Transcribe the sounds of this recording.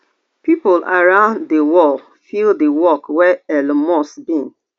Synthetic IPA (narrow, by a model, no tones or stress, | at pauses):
pipolaɹãʊ̃nddewɔl | fildəwɔkwɛɛlmɔsbĩn